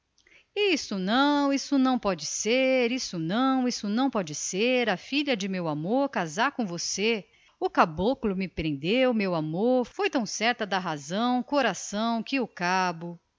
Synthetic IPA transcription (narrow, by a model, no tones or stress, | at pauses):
isʊnɐ̃w̃isʊnɐ̃w̃pɔd͡ʒɪseɾisʊnɐ̃w̃isʊnɐ̃w̃pɔd͡ʒɪseɾɐfiʎɐd͡ʒɪmewamoɾkazaɾkõvose | ʊkabokʊlʊmɪpɾẽnd̪ewmewamoɾfojt̪ɐ̃w̃sɛɾt̪ɐd̪ɐɦazɐ̃w̃koɾasɐ̃w̃kɪʊkabʊ